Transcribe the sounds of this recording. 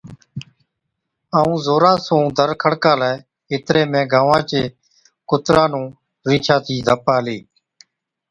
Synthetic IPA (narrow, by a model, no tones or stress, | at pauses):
aːũːzoːɾãːsũːd̪ʱəɾkʰəɽkãːlaː | ɪt̪ɾeːmẽːɡaːʋãːt͡ʃeː | kʊt̪ɾãːnũː | ɾiːt͡ʃʰãːt̪ʰiːd̪ʱəpaːleː